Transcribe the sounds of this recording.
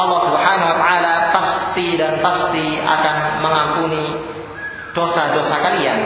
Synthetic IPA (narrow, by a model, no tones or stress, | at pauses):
ʔɑlːɑhsubhanawat̪aalapast̪idanpast̪ia̰kanməŋampuni | d̥osadosakalian